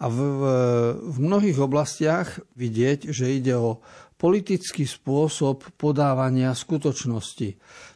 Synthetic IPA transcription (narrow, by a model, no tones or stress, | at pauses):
av | vmnɔɦiːɣɔblascɪaɣʋiɟɪɛɟʒɛiɟɛɔpɔlit̪it͡skiːspʊɔsɔpːɔd̪aːʋaɲɪaskut̪ɔt͡ʃnɔsci